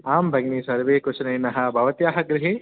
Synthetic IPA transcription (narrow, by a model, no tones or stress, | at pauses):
aːmbʱɐɡniːsɐɾʋeːkut͡ʃɐnɐjnɐɦɐbʱɐʋɐt̪jaːɦɐɡɾɪɦi